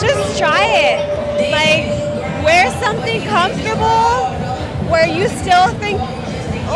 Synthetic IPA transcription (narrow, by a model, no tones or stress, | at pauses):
d͡ʒʌstʰɹ̥aɪɪt̚ | laɪk | wə˞sʌ̃mθɪ̃ŋkʰʌ̃ɱftə˞bl̩ˠ | wə˞jɨstɪlˠθɪ̃ŋk